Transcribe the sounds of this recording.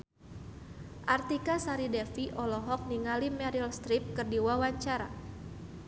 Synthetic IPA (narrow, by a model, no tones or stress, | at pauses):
ʔart̪ikasaɾidɛfiʔɔlɔɦɔk̚niŋalimɛɾilst̪ɾip̚kərdiwawaɲt͡ʃaɾa̰